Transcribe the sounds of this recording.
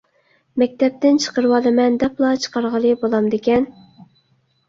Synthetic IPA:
mɛk̚ʲt̪ʰɛp̚t̪ɪnt͡ʃʰə̥qəɾɨwɑlɨmɛnd̪ɛplˠɑt͡ʃʰə̥qɑɾʁəlˠɨbolˠɑmd̪ekʲɛn

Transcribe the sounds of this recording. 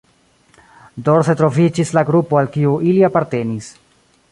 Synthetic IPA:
doɾse̞tɾo̞vid͡ʒislaɡɾupo̞alkiuʔiliapaɾte̞nis

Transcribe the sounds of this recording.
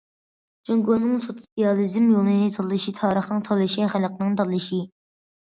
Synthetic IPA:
d͡ʒoŋɡonɨŋsot̪sijɑlˠɨzɨmjolˠnɨnɨt̪ʰɑlˠːɨʃit̪ʰɑːɾəχnɨŋt̪ʰɑlˠɨʃiχælˠqnɨŋd̪ɑlˠɨʃi

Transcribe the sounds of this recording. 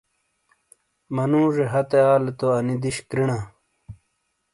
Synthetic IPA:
mɐnũːʐeɦɐt̪eaːlet̪oɐnid̪iɕkɾiɳaː

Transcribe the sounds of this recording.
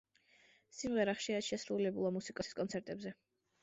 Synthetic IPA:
simʁɛɾaχʃiaʃɛsɾulɛbulˠamusikʼɔsi̥skʼɔnt̪sʰɛɾt̪ʼɛbzɛ

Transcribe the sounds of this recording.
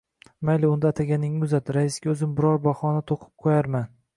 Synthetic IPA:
majlɪʊnd̪at̪ʰaɡʲanɪŋːɪʊzat̪ɾaɪsɡʲaɵzɪmbɪɾɒɾbɒχɒnat̪ʰoqʰɨ̥p̚qʰojaɾman

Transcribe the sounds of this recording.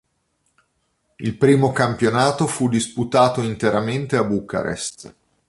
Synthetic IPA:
ilpɾiːmokampjonaːt̪ofud̪isput̪aːt̪oint̪eɾament̪eabuka̰ɾḛst̪

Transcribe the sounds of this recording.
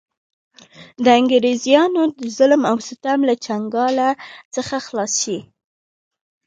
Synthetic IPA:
d̪əɪŋɡɾezijɑnod̪əzʊlmawsɪt̪amlat͡ʃaŋɡɑlat͡səxaxlɑsʃi

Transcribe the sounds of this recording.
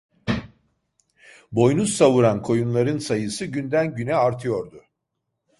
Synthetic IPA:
bo̞jnussavuɾankʰo̞junlˠaɾɯnsajɯsɯɟynd̪ænɟynɛaɾt̪ʰɯjo̞ɾd̪ʊ

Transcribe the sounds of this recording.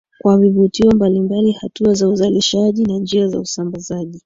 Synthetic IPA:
kwavivutiɔmbalimbalihatuazauzaliʃaʄinand͡ʒiaza̰usambazaʄi

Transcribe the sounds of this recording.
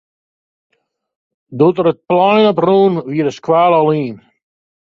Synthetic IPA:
dutəɾət̚plɔjnɔpruːnʋiəɾəskwaːlɔliːn

